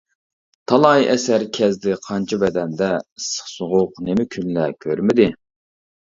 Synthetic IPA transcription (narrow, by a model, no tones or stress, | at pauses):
t̪ʰɑlˠɑjɛsæɾkʲʰɛzd̪ɪqʰɑnt͡ʃʰibɛd̪ɛnd̪ɛsə̥χsoʁʊqnemɪkʲʰynlækʲʰøɾmɪd̪ɪ